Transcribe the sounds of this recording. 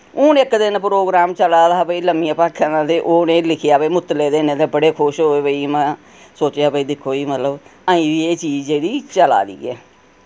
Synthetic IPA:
ʊ̃ːnɪkd̪ɪnpɾoːɡɾaːmt͡ʃəlaːd̪aːbəiːləmiːəpaːkʰənãːd̪eːʔoːnẽːlɪkʰɪjaːbəiːmʊt̪ːleːd̪eːnẽːt̪eːbəɽeːkʰʊʃɦoːeːbəiːmɛ̃ː | soːt͡ʃjaːbəiːd̪ɪkʰːoːiːmət̪ləbaːĩːʋiːeːt͡ʃiːd͡ʒd͡ʒeːɽiːt͡ʃəla̰ːd̪ḭːɛ̰ː

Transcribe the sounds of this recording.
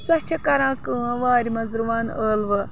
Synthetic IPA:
sɐt͡ʃʰɐkɐɾãːkə̃ːʋaːɾimɐzɾuʋaːnəːlʋɨ

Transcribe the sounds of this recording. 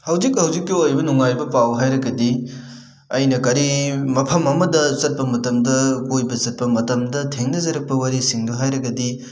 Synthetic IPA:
hɐwzik̚hɐwzikːiojbɐnuŋajbɐpawɦajɾɐɡɐdi | ɐjnɐkɐɾimɐpʰɐmɐmɐdɐzɐt̚pɐmɐtɐmdɐkojbɐzɐt̚pɐmɐtɐmdɐtʰeŋnɐzɐɾɐk̚pɐwaɾisiŋdoɦajɾɐɡɐdi

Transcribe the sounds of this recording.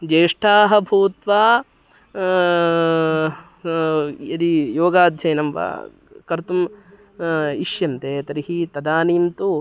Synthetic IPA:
d͡ʒeːʂʈʰaːɦɐ̆bʱuːt̪ʋaː | ɐd̪ijoːɡaːd̪ʱjɐjnɐmʋɐ̰ | kɐɾt̪um | iʃjɐmt̪eːt̪ɐɾiɦit̪ɐd̪aːniːmt̪u

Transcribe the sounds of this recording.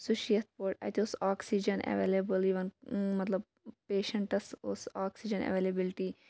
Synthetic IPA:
suʃijɐt̪̚ʰpoʈa̰t̪osaːksid͡ʒɐnḛʋḛːlebəliʋɐnmɐt̪lɐb̚ | peːʃɐɳʈɐsosaːksid͡ʒɐnḛʋeːlebilʈi

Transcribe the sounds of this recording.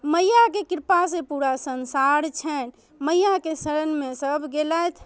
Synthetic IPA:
məjːakekiɾpasepuɾasənsaɾt͡ʃʰɛn | məjːakesəɾənmesəbʱɡelajt̪ʰ

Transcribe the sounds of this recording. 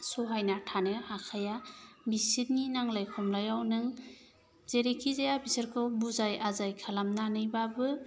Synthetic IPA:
sɔɦajnatʰanɯhakʰajabisit̚ninaŋlajkʰɔmlajawnɯŋ | zeɾekʰizajabisaɾkʰɯwbuzajazajkʰalamnanɯjbabɯ

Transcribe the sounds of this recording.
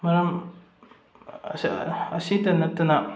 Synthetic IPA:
mɐɾɐm | ɐsitɐnɐt̪ːɐnɐ

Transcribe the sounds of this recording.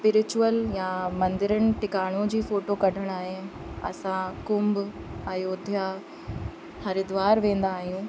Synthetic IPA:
spɪɾɪt͡ɕʊəljamɐ̃nd̪ɪɾənɪ̆ʈɪkaːɽ̃ũd͡ʑiːfoːʈokɐɖʱəɽ̃aːɦe | ɐ̰sãkʊmb | ɐjoːd̪ʱja | hɐɾɪd̪ʋaːɾʋẽːn̆d̪aːɦijũː

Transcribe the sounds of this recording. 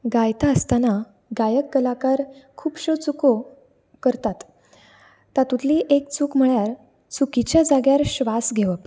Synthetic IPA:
ɡajt̪aəst̪ana | ɡajəkːəlakaɾkʰuːbɕot͡suko | kəɾt̪at̪ː | at̪ũt̪liːʔekt͡suːkm̤əɭjaɾ | t͡sukit͡ɕjad͡zaɡjaɾɕʋasɡʱeʋəp

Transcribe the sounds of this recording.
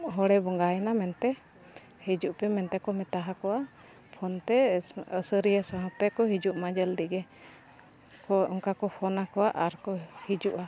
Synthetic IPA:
ɦɔɽɛbɔŋɡaɛnamɛnt̪ɛ | hid͡ʒuʔpɛmɛnt̪ɛkɔmɛt̪aɦakɔwa | pʰɔnt̪ɛəsəɾijasɔɦɔ̃t̪ɛkɔɦid͡ʒuʔmad͡ʒəld̪iɡɛ | kɔɔŋkakɔpʰɔnakɔwaʔaɾkɔhid͡ʒuʔa

